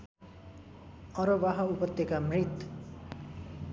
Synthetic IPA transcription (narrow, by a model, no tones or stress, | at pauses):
ʌɾobaɦʌupʌt̪ːekamrit̪